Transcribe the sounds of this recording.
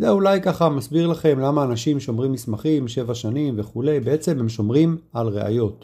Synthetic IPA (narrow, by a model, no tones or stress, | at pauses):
zeulajkaχamasbiʁlaχe̞mlamaːnaʃimʃo̞mʁimismaχimʃe̞vaʃanimve̞χule̞jbeet͡se̞mhemʃo̞mʁimalʁe̞̰ʔa̰jo̞t